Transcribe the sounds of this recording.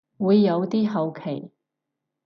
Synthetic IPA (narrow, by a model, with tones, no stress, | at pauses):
wuː˨˧jːɐ˨˧wt̪iː˥ɦɐ˨˧wkʰe˨˩j